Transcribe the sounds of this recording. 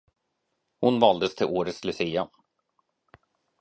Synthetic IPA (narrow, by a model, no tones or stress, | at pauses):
hʊnvɑːld̪əst̪ʰɪlʔoːɾət̪slɵsiːa